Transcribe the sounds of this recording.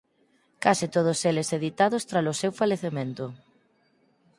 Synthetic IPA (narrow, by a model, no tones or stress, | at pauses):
kasɪt̪oð̞ʊseleseðit̪aðʊst̪ɾalosewfaleθemẽnt̪ʊ